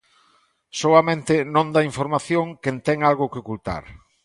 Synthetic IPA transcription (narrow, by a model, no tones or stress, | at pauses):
soɐmẽnt̪ɪnõnd̪aiɱfoɾmaθjoŋkent̪ɛŋalɣʊkeokult̪a̰ɾ